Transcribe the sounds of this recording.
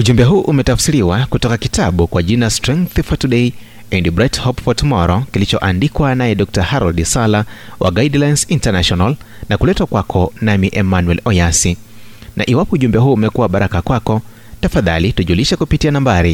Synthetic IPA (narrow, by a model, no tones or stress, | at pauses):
uʄumbɛɦuːʔumɛtafsiɾiwakutɔkakitaɓukwaʄinalastɾɛŋkθfɔtuɗɛi | ɛndibɾɛthɔpfɔtmɔɾɔkilit͡ʃɔʔandikwanajɛɗɔk̚tahaɾɔldisalawʔa̰ɡaidlajnsintanaʃɔnal | nakulɛtwakwakʰɔnamiʔɛmanuwɛlɔjasi | nʔa̰ʔiwapɔuʄumbɛɦuːumɛkuwaɓaɾakakwakɔ | tafaða̰lituʄuliʃɛkupitianambaɾi